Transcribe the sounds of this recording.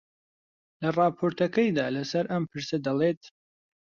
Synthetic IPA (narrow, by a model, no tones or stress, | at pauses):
lɐrˤɑːpʰoːɾt̪ʰɐkɐjd̪aːlɐsɐɾʔɐmpʰɨɾsɐd̪ɐleːt̪